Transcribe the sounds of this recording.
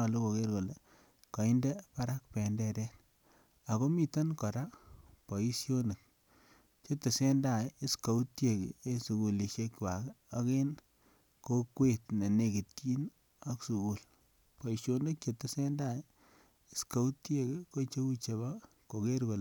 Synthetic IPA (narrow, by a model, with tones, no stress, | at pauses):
ɔ˨lo˦ko˨ke˦ɾko˨le˨ | ka˨i˦nde˦pa˦ɾa˦k̚pɛ˨ndɛ˦ɾɛ˦t | a˨ko˦mi˦ta˦nkɔ˨ɾa˦po˨i˦sjo˦ne˨k̚ | t͡ʃe˦te˨se˦nda˦˨je˦ska˨u˦tje˨kḭ˨e˦su˨ku˨li˨ʃje˦kwa˨ko˦ke˦n | ko˦kwe˦tne˨ne˨ki˨tt͡ʃi˦n | o˦ksu˨ku˨l | pɔ˨i˨sjo˦ne˦k̚t͡ʃe˨te˨se˦nda˦˨j | i˦ska˦u˦tje˦ki˦ko˦t͡ʃe˦u˦t͡ʃe˨ba˦ | ko˨ke˦ɾko˨l